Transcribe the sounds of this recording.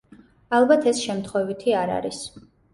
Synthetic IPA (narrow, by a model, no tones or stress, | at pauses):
alˠbat̪ʰɛsʃɛmt̪ʰχwɛvit̪ʰiaɾa̰ɾis